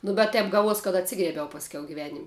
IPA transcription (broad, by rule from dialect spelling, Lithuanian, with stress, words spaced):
nʊ bʲɛt ˈtʲɛp ˈɡɑːˌʋuɔs kɐt ɐtʲˈsʲɪɡrʲiɛbʲɛʊ pɐsʲˈkʲɛʊ ɡʲɪˈʋʲæːnʲɪmʲ